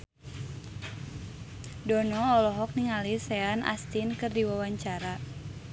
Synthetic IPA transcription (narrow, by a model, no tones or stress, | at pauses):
dɔnɔːlɔɦɔk̚niŋalisɛanʔa̰st̪inkɨrdiwawaɲt͡ʃaɾa